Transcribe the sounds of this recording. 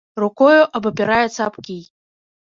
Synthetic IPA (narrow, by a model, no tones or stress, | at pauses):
rukɔjuʔɐbɐpʲɛɾajɛt̪sɐaapkʲij